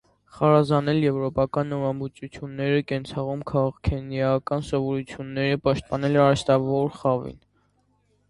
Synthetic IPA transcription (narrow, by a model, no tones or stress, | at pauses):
χɑɾɑzɑnɛljɛvɾɔpɑkɑnːɔɾɑmbut͡sʰut͡sʰjunːɛɾəkɛnt͡sʰɑʁumkʰɑʁɑʁkʰɛnjɑkɑnsɔvɔɾut͡sʰjunːɛɾəpɑʃt̪̚pɑnɛlɑɾɛst̪ɑvɔɾχɑvḭn